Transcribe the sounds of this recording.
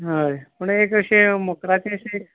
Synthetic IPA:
ɦəjpəɳekəɕẽməkɾat͡ɕẽəɕẽek

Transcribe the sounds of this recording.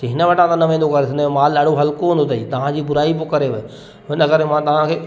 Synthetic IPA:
ɦɪnəʋɐʈʰãt̪ãnɐʋẽːnd̪okɐɾeɪnəmemaːlɐɽoɦɐlkoɦɪ̃nd̪ot̪ʰɐiːt̪ɐʋ̤ãd͡ʑiːbʊɾaːipokɐɾeʋɐ | ɦɪnəkɐɾemãt̪ɐʋ̤ãkʰeː

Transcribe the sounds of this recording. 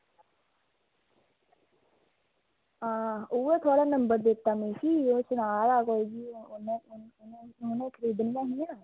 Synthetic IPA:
ɦãːuːeːt̪ʰoaːɽaːnəmbəɾd̪ɪt̪ːaːmẽːsiːoːsʊnaːɾaːkoːid͡ʒiːneneɦʊnẽːkʰəɾiːd̪nɪjãːɦinaː

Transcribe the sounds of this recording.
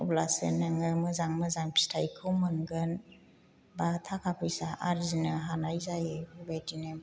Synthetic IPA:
ɔblasḛnɯŋɯmɯzaŋmɯzaŋpʰi̥stʰajkʰɯwmɯnɡɯn | batʰakʰapʰɯjsaʔaɾzinɯɦanajzajeubadinɯm

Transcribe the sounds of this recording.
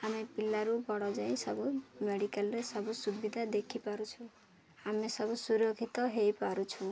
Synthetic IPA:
amepilːaɾubɔɽɔd͡ʒaĩsʌbumeɽikalɾesʌbusubid̪ʱad̪ekʰipaɾut͡ʃʰũ | amesʌbusuɾoɡʱit̪ɔɦejpaɾut͡ʃʰũ

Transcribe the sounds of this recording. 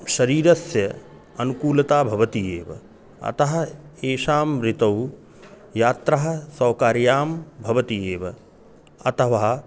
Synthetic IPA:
ʃɐɾiːɾɐsjɐ | ɐnukuːlɐt̪aːbʱɐʋɐt̪ijeːʋɐ̰ | ɐ̰t̪ɐɦɐ̆eːʃaːmɾit̪ɐw | jaːt̪ɾɐɦɐ̆sɐwkaːɾjaːmbʱɐʋɐt̪ijeːʋɐ̰ | ɐ̰t̪ɐʋaː

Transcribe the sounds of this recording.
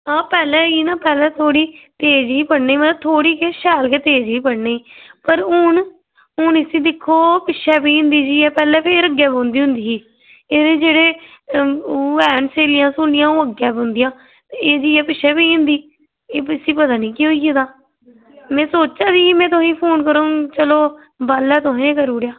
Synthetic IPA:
ɦãːpɛːlɛ̃ːiːnãːpɛːlɛːt̪ʰoːɽiːt̪eːd͡ʒiːpəɽneːiːmət̪ːt̪ʰoːɽiːkeʃɛːlkeːt̪eːd͡ʒiːpəɽneːiːpəɾʊːn | ʊːnɪsiːd̪ɪkʰːoːpɪʃʰɛːpiːnd̪iːd͡ʒiːɛːpɛːlɛ̃ːpʰeɾəɡːɛːbõːnd̪iːʊ̃nd̪iːiː | eːd̪eːd͡ʒeːɽeː | ɛːnseːlɪjãːsoːlɪjãːũːəɡɛːbõːnd̪ɪjãː | eːd͡ʒiːɛːpɪʃʰɛːpiːnd̪iː | eːɪsiːpət̪aːnĩːkiːɦoːieːt̪aː | mɛ̃ːsoːt͡ʃaːd͡ʒiːimɛ̃ːt̪ʊɦĩːpʰoːnkəɾõːt͡ʃəloː | baːlɛːt̪ʊɦẽːkəɾuːɽjaː

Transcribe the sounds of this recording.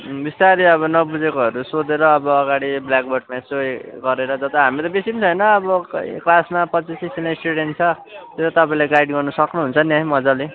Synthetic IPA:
bist̪aɾiʌβʌnʌbud͡zekoɦʌɾusod̪eɾʌːbʌːɡaɽiblakboʈmasojɡʌɾeɾʌd͡zʌt̪ʌɦamit̪ʌbisimt͡sʰʌjnʌːbʌklasmapʌt͡sisisinasʈuɽenʈt͡sʰʌ | t̪jot̪ʌt̪ʌpaĩlajɡajɖɡʌrnʌsʌknuɦunt͡sʰʌnjaɦimʌd͡zale

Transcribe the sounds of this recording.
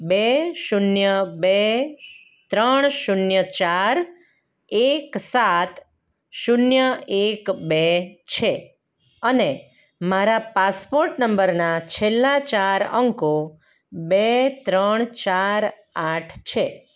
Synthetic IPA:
beʃunjəbe | t̪ɾəɳ̃ʃunjət͡ʃaɾ | eksat̪ | ʃunjəekbet͡ʃʰe | əne | maɾapaspoɾʈnəmbəɾnat͡ʃʰelːat͡ʃaɾə̰ŋko | bet̪ɾəɳ̃t͡ʃaɾ | aʈʰt͡ʃʰe

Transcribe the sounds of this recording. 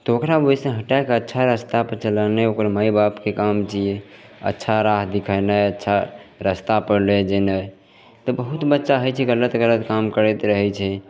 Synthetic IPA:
t̪ɔokɾabojsẽɦəʈakeətːʃʰaɾəst̪apəɾt͡ʃələneokəɾməjbapkekamt͡ʃie | ə̰tːʃʰaɾaɦd̪ikʰənəjətːʃʰaɾəst̪apəɾled͡ʒenəj | t̪ɔbəɦut̪bətːʃaɦəjt͡ʃʰɛɡələt̪ɡələt̪kamkəɾɛt̪ɾəɦɛt͡ʃʰɛ

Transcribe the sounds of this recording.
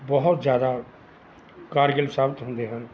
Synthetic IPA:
bəɦʊt̪zjaːd̪a | kaːɾɡəlsaːbt̪ɦõnd̪eɦɛ̃ː

